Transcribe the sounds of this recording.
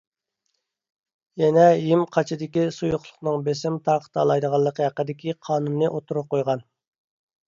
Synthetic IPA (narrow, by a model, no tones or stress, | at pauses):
jɛnɛjimqʰɑt͡ʃʰɪd̪ɪkʲisujʊχlˠʊ̥χnɨŋbesɪmt̪ʰɑɾqt̪ʰɑlˠɑjd̪əʁɑlˠːəqʰəhæqːəd̪ɪkʲiqʰɑːnunːɨʔot̪ʰuɾʊp̚qojʁɑn